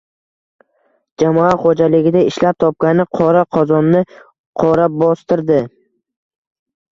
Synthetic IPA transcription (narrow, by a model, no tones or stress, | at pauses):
d͡ʒamɒat̪χod͡ʒalɪɡʲɪd̪aɪʃlap̚t̪ʰɒp̚kʲanɪqʰɒɾaqʰɒzɒnːɪ | qʰɒɾabɒst̪ɪɾd̪ɪ